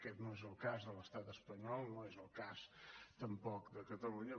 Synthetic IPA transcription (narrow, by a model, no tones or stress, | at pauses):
kɛt̪noezəlˠkazðələst̪at̪əspəɲɔlˠnoezəlˠkast̪əmpɔkd̪əkət̪əluɲə